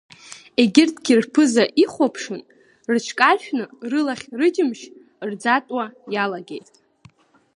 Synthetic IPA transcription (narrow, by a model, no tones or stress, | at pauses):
e̞ɡʲɪrtʰʼɡʲirpʰɨzaʔiχʷapʰʂɨn | rt͡ʃʰkʼaʃᶣnɨrɨlaχʲrɨd͡ʒɪmʃ | rd͡zatʼwajalaɡe̞jtʼ